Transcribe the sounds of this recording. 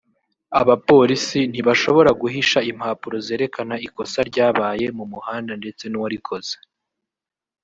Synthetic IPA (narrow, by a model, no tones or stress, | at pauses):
aβapo̞ːɾisin̥iβaʃo̞βo̞ɾaɡuɦiʃaim̥haːpuɾo̞ze̞ːɾe̞kanaiko̞saɾɟaːβaːje̞mumuhaːndande̞t͡se̞nuwaɾikʰo̞z̥e̥